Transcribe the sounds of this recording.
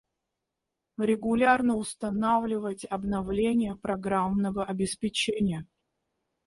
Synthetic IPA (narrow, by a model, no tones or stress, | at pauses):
ɾʲɪɡʊlʲarnəʊst̪ɐnavlʲɪvətʲɐbnɐvlʲenʲɪjəpɾɐɡɾamnəvəʔɐbʲɪspʲɪt͡ɕenʲɪjə